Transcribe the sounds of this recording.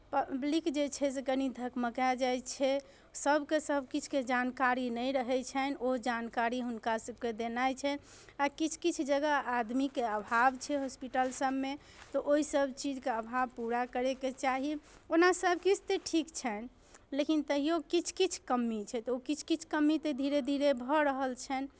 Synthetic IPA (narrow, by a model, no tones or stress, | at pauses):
pəblikd͡ʒet͡ʃʰɛs̬ekənid̪ʱəkməkad͡ʒajt͡ʃʰɛ | səbʱkesəbʱkit͡ʃʰked͡ʒankaɾinəjɾəɦɛt͡ʃʰɛnod͡ʒankaɾiɦunkasəb̚ked̪enajt͡ʃʰɛ | akit͡ʃʰkit͡ʃʰd͡ʒəɡaad̪mikeəbʱabt͡ʃʰɛɦospiʈəlsəbme | t̪ɔʔoɦisəbʱt͡ʃid͡ʒkeəbʱabpuɾakəɾeket͡ʃaɦionasəbʱkit͡ʃʰt̪eʈʰikt͡ʃʰɛn | lekint̪əɦijokit͡ʃʰkit͡ʃʰkəmːit͡ʃʰɛt̪ɔokit͡ʃʰkit͡ʃʰkəmːit̪ed̪ʱiɾed̪ʱiɾebʱɔɾəɦəlt͡ʃʰɛn